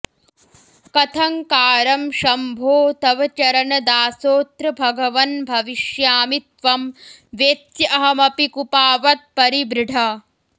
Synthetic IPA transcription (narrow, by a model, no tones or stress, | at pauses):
kɐt̪ʰɐŋkaːɾɐmʃɐmbʱoːt̪ɐʋɐt͡ʃɐɾɐnɐd̪aːsoːt̪ɾɐbʱɐɡɐʋɐnbʱɐʋiʂjaːmit̪̚ʋɐmʋeːt̪jɐɐɦɐmɐpikupaːʋɐt̪̚pɐɾibɾɪɖʱɐ